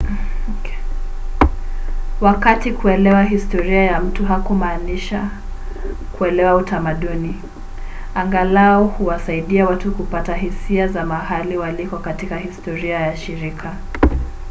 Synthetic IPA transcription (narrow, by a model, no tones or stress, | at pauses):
wakatikuɛlɛwaɦistɔɾiajam̩tuɦakumaːniʃa | kuɛlɛwautamaɗuni | aŋɡalaɔhuwasaiɗiawatukupataɦisiazamahaliwalikɔkatikahistɔɾiajaʃiɾikʰa